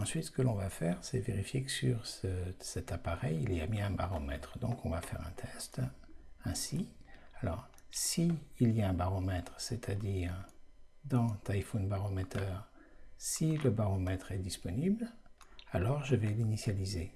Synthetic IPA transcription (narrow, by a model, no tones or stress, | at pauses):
ɑ̃sɥit̪sə̥kəlɔ̃vafɛʁsɛveʁifjekə̥syʁsəsɛt̪apaʁɛjiliamiɛ̃ba̰ʁɔmɛt̪χd̪ɔ̃kɔ̃vafɛ̰ʁɛ̰̃t̪ʰɛst̪ɛ̃sialɔʁ | siːliaɛ̃baʁɔmɛt̪χsɛt̪ʰad̪iːʁd̪ɑ̃t̪ajfunbaʁɔmɛt̪ʰœʁsiləbaʁɔmɛt̪χɛd̪ispɔniblalɔʁʒəvɛlinisjalize